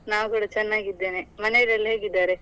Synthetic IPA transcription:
naːwkuːɽɐt͡ʃɛnːaːɡid̪ːeːnemɐneɽɐlːɦeːɡid̪ːaːɾe

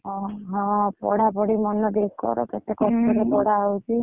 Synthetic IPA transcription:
ɦɔɦɔ̃pɔ̰ɽabɔɽimɔnɔd̪ekkɔ̰ɾɔ̰ket̪ekɔstɔɾepɔɽaəwt͡ʃʰi

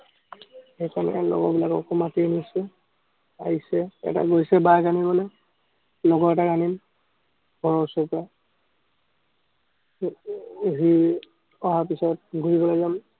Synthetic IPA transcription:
xɛjkanɛ̰lɔ̰ɡɔ̰bilakɔ̰kɔmatienisɛ | aɦisɛɛ̰ta̰ɡojsɛbaɡanimanɛ | lɔɡɔɹɛtaɡanim | ɡʱɔɹɔsɔpa | ɦi | ɔɦapisɔt̚ɡʱuɹibɔlazam

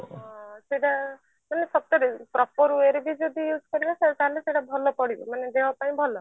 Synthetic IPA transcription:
seɽa | manesɔb̚t̪ɔɾepɾɔpɔɾueɾebid͡ʒɔd̪ʱijuːd͡ʒkɔɾibɔset̪aleseɽabʱɔlɔpɔɽibɔmaned̪ewapaĩbʱɔlɔ

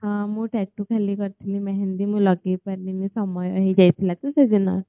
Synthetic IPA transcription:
ɦãmuːʈɛk̚ʈukʰɛliːkəɾt̪ʰliːmɛɦend̪iːmulaɡiːpəɾlinisəmɔja̰ɦid͡ʑajt̪ʰlat̪usəd͡zina̰

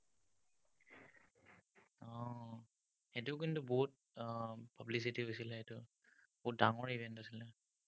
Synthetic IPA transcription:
ɔ̃ | xɛtʊk̬intuboɦut̚ | pablis̬itiɦojsilɛɛtʊ | b̥ɔɦut̚daŋɔɹibʱɛntasilɛ

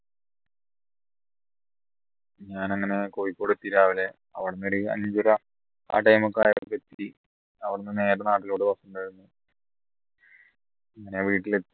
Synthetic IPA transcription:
ɲaːnɐŋːɐne̞kojikːoɽut̪ːiɾaːʋile | ɐ̰ʋiɽunːeɾiɐ̰ɲd͡ʑurɐ | a̰ːʈːɐjmokːa̰ːjɐɽpːet̪ːi | ɐʋɐɽnːɨneːɾɐnaːʈːiloːɽupɐsɐnbɐɻunːu | ɐŋːɐneʋiːʈːile

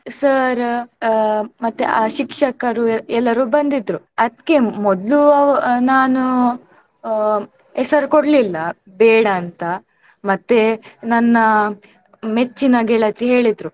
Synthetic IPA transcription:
sɐɾ | mɐt̪ːeaːʃikʂɐkɐɾuɛlːɐɾuːbɐnd̪id̪ɾu | ɐd̪kːemɔd̪lunaːnu | ɛsɐɾkoɽlilːɐ | bɛːɽɐːnt̪ɐ | mɐt̪ːenɐnːɐ | met͡ʃːinaːɡeɭɐt̪iɦe̞ːɭid̪ɾu

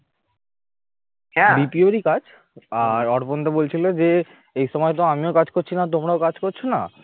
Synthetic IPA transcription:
hɛbipioeɾikad͡ʑ | aɾɔɽpont̪abolt͡ɕʰilod͡ʑe | ejʃɔmɔet̪̬oamiokad͡ʑkoɾt͡ɕʰinat̪̬omɾaokad͡ʑkoɾt͡ɕʰona̰

